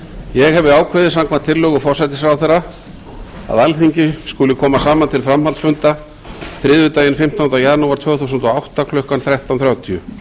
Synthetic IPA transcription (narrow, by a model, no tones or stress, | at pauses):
jɛɣɦɛvðɪaːwkʰvɛðɪsaŋkmat̪ʰɪlːœːɣʏfɔr̥sajt̪ɪsɾawθɛɾːa | a̰ðɛlθiɲcɪskulɪkʰɔːmasaːmant̪ʰɪlfɾamhalsfʏnt̪a | fɾɪːðvʏt̪aːjɪnfɪm̥t̪awnt̪awjanuaɾt̪ʰvœːɣθusʏnt̪ɔawht̪akʰlʏhkanθɾaht̪awnθɾjaːwt̪ʰiʏ